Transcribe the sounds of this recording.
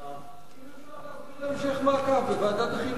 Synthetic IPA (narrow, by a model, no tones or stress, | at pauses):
ɛmʃɛχmakʰabɛbad̪at̪χi